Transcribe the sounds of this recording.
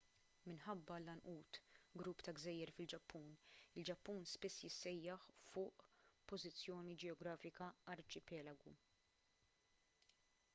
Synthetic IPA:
mɪnħɐbːɐlɐnʔuːt̪ɡɾuːpːt̪ɐɡzɛjːɛɾfɪld͡ʒɐpʰːuːnɪld͡ʒɐpːuːnspɪsːjɪsːɛjːɐħfʊːʔpɔzɪt͡sːjɔːnid͡ʒɛɔɡɾɐːfɪkɐɐɾt͡ʃɪpɛːlɐɡu

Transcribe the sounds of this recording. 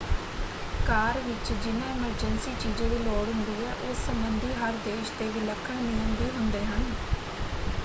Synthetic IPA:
kaːɾʋɪt͡ʃd͡ʒɪnãːɪməɾd͡ʒənsiːt͡ʃiːd͡ʒãːd̪iːlɔːɽɦʊnd̪iːɛːʔʊsːəmbənd̪iːɦəɾd̪eːʃt̪eːʋiːləkʰːəɳnɪĩːə̃ːnd̪iːɦʊnd̪eːɦən

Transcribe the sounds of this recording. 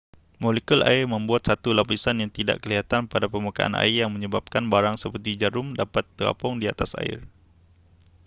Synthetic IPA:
molekulʔa̰ɪrməmbuat̪̚sat̪ulapisanjaŋt̪ida̰ʔkəliɦat̪anpadapəmukaʔa̰na̰ijaŋməɲəbap̚kanbaɾaŋsəpərt̪id͡ʒaɾʊmdapat̪ːəla̰pɔŋdia̰t̪asa̰ɪ̰r

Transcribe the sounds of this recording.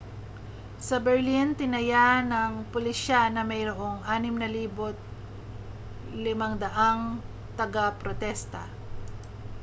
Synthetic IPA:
sɐbɛɹlint̪ɪnɐjanɐŋpʊlɪʃanɐmɐjɾoʔoŋʔaːnɪmnɐliːbot̪̚ | lɪmɐŋd̪ɐʔaŋ | t̪ɐɡapɾot̪ɛst̪ɐ̰

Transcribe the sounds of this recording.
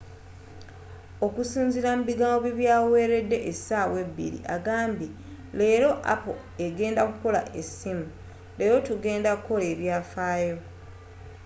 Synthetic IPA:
o̞kusiːnziɾamuβiɡaːmɡoβiβjaːwowe̞ːɾe̞dːe̞ʔesaːwe̞βːḭɾḭʔa̰ɡaːmbi | le̞ːɾo̞ʔa̰po̰ | e̞ɡe̞ːndakuko̞la̰ʔesimu | le̞ːɾo̞tuɡe̞ːndakuko̞le̞ːβjaːfaːjo̞

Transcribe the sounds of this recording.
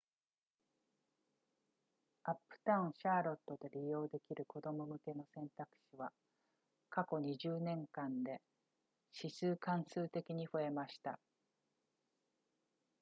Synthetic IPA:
apːɯ̟̥t̪ãɯ̃ɕaːɾo̞t̪ːo̞d̪e̞ɾʲijo̞ːd̪e̞kʲiɾɯ̟ko̞d̪o̞mo̞mɯ̟ke̞no̞sẽ̞nt̪akɯ̟̥ɕiβa | kako̞ɲ̟iʑɨːnẽ̞ŋkãnd̪e̞ | ɕisɨːkãɰ̃sɨːt̪e̞kʲiɲ̟iɸɯ̟e̞maɕi̥t̪a̰

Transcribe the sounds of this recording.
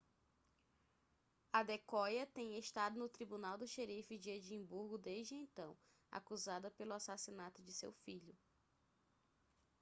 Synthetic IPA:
ɐd̪ekɔjɐt̪ẽj̃eʃt̪ad̪ʊnʊt̪ɾibunawd̪ʊʃeɾifɪd͡ʒied͡ʒĩbuɾɡʊd̪eʒd͡ʒɪẽt̪ɐ̃w̃ | a̰kuzad̪ɐpelʊasasinat̪ʊd͡ʒɪsḛwfiʎʊ

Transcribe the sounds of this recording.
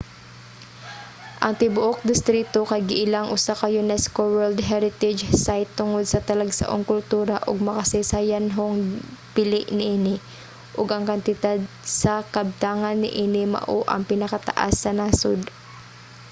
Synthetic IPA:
ʔɐŋt̪ɪbʊʔok̚d̪ɪst̪ɾit̪okɐjɡɪʔɪlaŋʔʊsakɐjʊnɛskowɛld̪ɦɛɾɪt̪ɛd͡ʒsajt̪ːʊŋod̪̚sɐt̪ɐlɐɡsɐ̰ʔoŋkʊlt̪uːɾɐʔʊɡ̚mɐkɐsɛsajanɦoŋpɪlɪʔnɪʔiːnɪ | ʔʊɡʔɐŋkɐnt̪ɪd̪ad̪̚sɐkɐb̚t̪aːŋɐnːɪ̰ʔiːnɪmɐ̰ʔoʔɐ̰ŋpɪnɐkɐt̪ɐ̰ʔa̰sːɐnaːsod̪

